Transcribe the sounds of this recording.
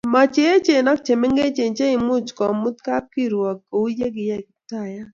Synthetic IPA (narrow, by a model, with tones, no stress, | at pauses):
mɔ˨t͡ʃe˦e˦t͡ʃe˨nɔ˦k̚t͡ʃe˨me˦ŋɡe˦t͡ʃe˨nt͡ʃe˦ɪ˨mʊ˦t͡ʃkɔ˨mʊ˦t̚ka˦p̚ki˦˨ɾwɔ˨ko˨u˦je˦ɡɪ˨jɛ˦˨kɪ˨˦ta˦˨ja˦